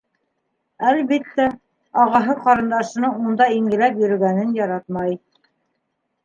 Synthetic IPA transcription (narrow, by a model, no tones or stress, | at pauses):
ælβit̪ːæ | ɑʁɑɦɤqɑɾɤ̆nd̪ɑʃɤ̆nɤund̪ɑiŋɡɘ̆læpjɵ̆ɾɘ̆ɡænɘnjɑɾɑt̪mɑj